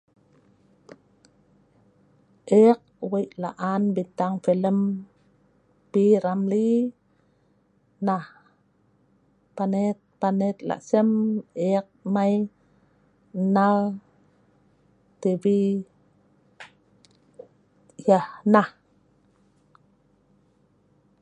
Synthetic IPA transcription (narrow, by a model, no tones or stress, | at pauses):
ʔek̚wejʔla̰ʔanbit̪aŋfeləm | piɾamli | nah | panet̪̚panet̪̚la̰ʔsəmek̚maj | nal | t̪ebi | jahnah